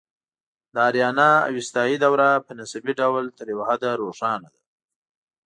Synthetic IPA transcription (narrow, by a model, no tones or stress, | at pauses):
d̪əaɾjɑnɑa̰wɪst̪ɑjid̪awɾapənasabiɖawlt̪əɾjawahad̪aɾoʂɑnad̪a